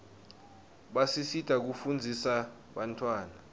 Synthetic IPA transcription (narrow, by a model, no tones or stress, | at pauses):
ɓasisid̥ʱak̬ufund͡zʱisa | ɓantʰʼwaːna